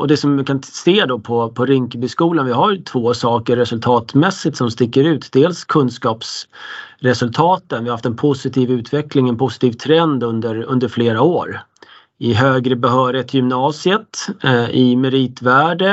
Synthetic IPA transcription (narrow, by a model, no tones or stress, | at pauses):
ɔd̪ɛsɔmkʰanseːd̪ɔpʰɔpʰɔɾʏŋkəbʏskuːlanvɪɦaɾjt̪ʰvoːsɑːkəɾːɛsɵlt̪ʰɑːt̪mɛsːɪt̪sɔmst̪ɪkːəɾʉ̟ːt̪d̪eːlskʰɵnskɑːps | ɾɛsɵlt̪ʰɑːt̪ənvɪhahaft̪ɛnpʰʊsɪt̪ʰiːvʉ̟ːt̪ʰvɛklɪŋɛnpʰʊsɪ̥t̪ʰiːvt̪ʰɾɛnd̪ɵnd̪əɾɵnd̪əɾfleːɾaoːɾ | ɪɦøːɡɾəbɛɦœːɾɪt̪ʰjʏmnɑːsɪət̪ɪmɛɾiːt̪væːɖə